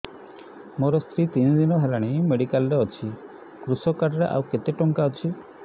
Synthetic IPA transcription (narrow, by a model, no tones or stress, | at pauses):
moɾɔst̪ʰɾit̪ind̪inɔɦalaɽ̃imeɽikalɾeɔt͡ʃʰi | kɾusɔkaʈɾeʔa̰wket̪eʈɔŋkaɔt͡ʃʰi